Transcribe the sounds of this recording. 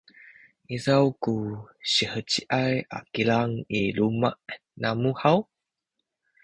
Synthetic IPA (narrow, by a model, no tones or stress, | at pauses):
ʔizawkuɕəhət͡ɕiʔaja̰kilaŋilumaʔ | namuhaw